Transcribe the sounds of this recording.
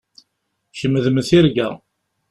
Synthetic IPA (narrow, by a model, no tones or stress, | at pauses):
ʃəmːəðməθiɾɡæ̰